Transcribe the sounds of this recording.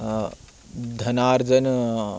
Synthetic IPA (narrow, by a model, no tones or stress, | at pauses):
d̪ʱɐnaːɾd͡zən